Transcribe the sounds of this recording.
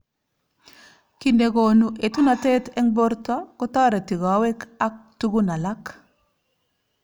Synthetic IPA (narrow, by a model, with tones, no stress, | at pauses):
ki˦nde˨ɡo˨nuʔe˨tu˦na˨te˦te˦ŋbo˦ɾtako˦ta˦ɾa˨ti˨ɡa˨we˦ka˦k̚tu˦ɡu˦na˨la˦k